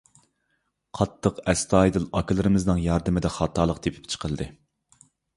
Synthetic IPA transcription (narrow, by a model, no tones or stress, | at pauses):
qʰɑt̪ʰːəqɛst̪ʰɑːjd̪ɨlˠɑkʰɨlˠɨɾɨmɨznɨŋjɑɾd̪ɨmɪd̪ɛχɑːt̪ʰɑːlˠəqt̪ʰepʰɪ̥pt͡ʃʰə̥qʰəlɨd̪ɨ